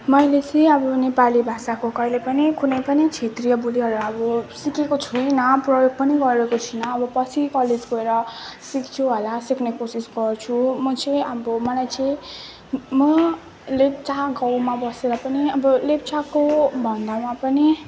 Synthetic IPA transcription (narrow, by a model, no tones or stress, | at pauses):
mʌjlet͡sʌ̃j̃ʌbʌnepalibʱasakokʌjlepʌnikʰunʌjpʌnit͡sʰet̪rijʌbuliɦʌɾuʌbʌsikekot͡sʰunʌprojoɡ̚pʌniɡʌɾekot͡sʰinʌːbʌpʌt͡sʰikʌled͡zɡʌeɾʌsikt͡sʰuɦolasikʰnekosisɡʌrt͡sʰumʌt͡sʌ̃jʔabʌmʌlajt͡sʌj̃ | mʌ | lep̚t͡saɡawmabʌseɾʌpʌniʌbʌlep̚t͡sakobʱʌnd̪amapʌni